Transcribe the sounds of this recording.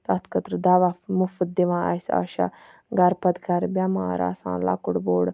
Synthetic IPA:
t̪at̪ʰkət̪ɾd̪aːʋafmufət̪̚d̪iʋãːʔasa̰ʃa̰ | ɡɐɾpɐd̪ɡɐɾbʲamaːɾa̰ːsã̰ːla̰ːkuɽboːɽ

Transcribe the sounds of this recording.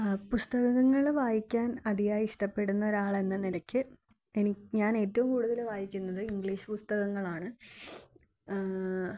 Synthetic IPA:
pust̪ɐɣɐɣɐŋːɐɭʋaːjikʲːaːnɐðijaːjiʂʈɐpːe̞ɽunːɐoɾaːɭe̞nːɐnilɐkʲːɨ | enikɲaːne̞ːtːɐʋumkuːɽuðɐlʋaːjikʲːunːɐðɨiŋɡɭiːɕɨ̥pust̪ɐɣɐŋːɐɭaːɳɨ

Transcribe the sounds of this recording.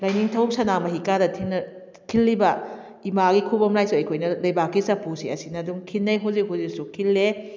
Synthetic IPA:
lajniŋtʰɐwp̚sɐnamɐɦikadɐtʰinɐ | kʰilːibɐ | imaɡikʰubɔmlajsuɐjkʰojnɐlɐjbakːisɐpusḭɐsinɐduŋkʰinːɐjɦuzik̚ɦhuzik̚sukʰilːe

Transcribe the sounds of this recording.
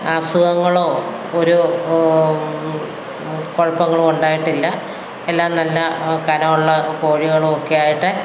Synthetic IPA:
aːsuðɐŋːɐɭo̞ː | oɾu | koɻɐpːɐŋːɐɭouɳɖaːjiʈːilːɐ | elːaːmnɐlːɐkɐnɐmuɭːɐko̞ːɻiɣɐɭookːejaːjiʈːɨ

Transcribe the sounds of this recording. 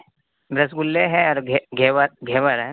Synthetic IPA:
bɾɐsɡʊlːeɦɛ̃ɔːɾɡɡʱeːəɾɡʱeːʋəɾɦɛ

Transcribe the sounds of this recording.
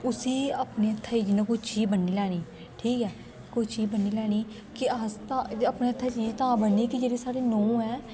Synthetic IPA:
ʊsiːəpneːət̪ʰːaːid͡ʒɪnãːkʊit͡ʃiːzbənːiːlɛːɽ̃iː | ʈʰiːkɛː | kʊit͡ʃiːzbənːiːlɛːñiː | kɪəst̪ãəpneːət̪ʰːaːt͡ʃiːd͡ʒt̪ããːbənːiːkɪd͡ʒeːɽeːsaːɽiːnõːɛː

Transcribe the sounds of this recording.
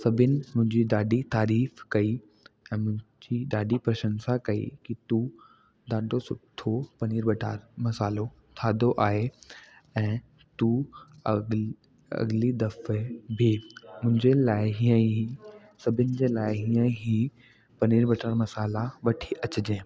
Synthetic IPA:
sɐbʱɪnɪ̆mʊ̃ɦɪ̃ɲd͡ʑiɗ̪aːɖit̪aːɾiːfkɐi | ɛ̃ːmʊ̃ɦɪ̃ | d͡ʑiɗ̪aːɖipɾɐʃə̃nsakɐḭkit̪u | d̪aːɖosʊt̪ʰːopɐniːɾbɐʈaːɾmɐsaːlo | t̪ʰaːd̪oʔaːɦe | ɛ̃ː | t̪u | ɐ̰ɡlid̪ɐfebʱɪmʊ̃ɦɪ̃ɲd͡ʑelaːɪɦiə̃ | sɐbʱɪnɪ̆d͡ʑeːlaːɪɦiːə̃ɦi | pɐniːɾbɐʈʰaːɾmɐsaːlaʋɐʈʰi̥ʔɐt͡ɕɪd͡ʑẽː

